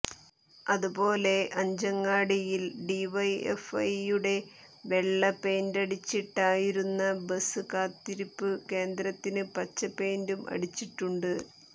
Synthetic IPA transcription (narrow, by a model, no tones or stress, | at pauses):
ɐðubo̞ːle̞ʔɐɲd͡ʑɐŋːaːɽijilɖiʋɐjḛfɐjuɽe̞ | ʋe̞ɭːɐpe̞ːndɐɽit͡ɕːiʈːaːjiɾunːɐbɐsɨkaːt̪ːiɾipːɨke̞ːnd̪ɾɐt̪ːinɨpɐt͡ɕːɐpe̞ːndumʔɐ̰ɽit͡ɕːiʈːuɳɖɨ